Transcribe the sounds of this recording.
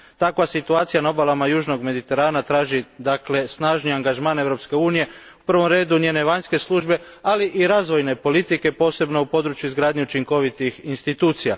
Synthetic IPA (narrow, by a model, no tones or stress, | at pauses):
t̪akʋasit̪uaːt̪sijanao̞balamajuːʒno̞ɡme̞d̪it̪e̞ɾaːnat̪ɾaːʒid̪akle̞snaːʒniaŋɡaʒmaːne̞ʋvɾo̞pske̞uːnije̞ | upr̩ʋo̞mɾe̞ːd̪uɲjeːneʋaɲske̞slˠuʒbe̞aliʔiɾaːzʋo̞jne̞po̞lit̪ike̞po̞ːse̞bno̞upo̞d̪ɾut͡ʃjuizɡɾaːd̪ɲeut͡ʃiŋko̞ʋit̪ixinst̪it̪uːt̪sija